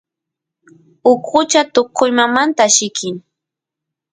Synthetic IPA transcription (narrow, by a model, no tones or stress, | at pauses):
ʊkʊt͡ʃat̪oqʰʊjmamant̪aʃɪkʰɪŋ